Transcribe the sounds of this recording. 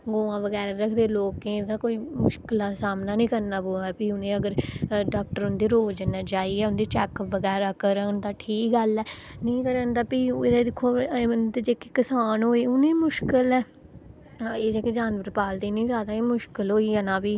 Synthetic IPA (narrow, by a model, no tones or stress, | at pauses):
ɡoːãːʋəɡɛːɾaːɾəkʰd̪eːloːkːẽd̪ãːkoːiːmʊʃkɪlaːsaːmnaːnĩːkəɾnaːboːaːɛːpiːʊnẽːəɡəɾɖaːk̚ʈəɾʊnd̪eːɾoːd͡ʒənaːt͡ʃaːiːɛːʊnd̪eːt͡ʃɛːkʋəɡɛːɾaːkəɾənt̪ãːʈʰiːkɡəlɛːnəĩːkəɾənt̪aːpid̪ad̪ɪkʰːoːnt̪ːd͡ʒeːkikɪsaːnɦoːiːʊnẽːmʊʃkɪlɛː | eːd͡ʒeːked͡ʒaːnbəɾpaːld̪iːnĩːzjaːd̪aːeːmʊʃkəlɦoːiːaːnãːbiː